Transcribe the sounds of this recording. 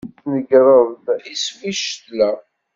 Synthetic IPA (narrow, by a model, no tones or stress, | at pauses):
nəɡɾˤəðdisfiʃt̪læ